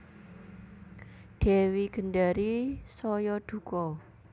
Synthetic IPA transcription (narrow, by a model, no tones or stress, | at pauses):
ɖ̥e̤wiɡ̥ə̤ɳɖaɾisɔjɔɖ̪̥ṳkɔ